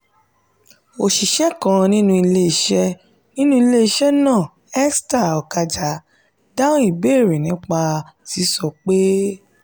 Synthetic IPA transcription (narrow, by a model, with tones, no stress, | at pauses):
o˨ʃi˨ʃɛ˦kã˧nĩ˦nũ˦i˧le˧i˨˧˨ʃɛ˧ | nĩ˦nũ˦i˧le˦i˧ʃɛ˦nãː˦˨ | ɛ˦sta˦˨ɔ˨ka˧d͡ʒa˨˦ | dã˦i˦˨be˦˨ɾe˨nĩ˨˦k͡pa˧ti˨˦sɔ˧k͡pe˦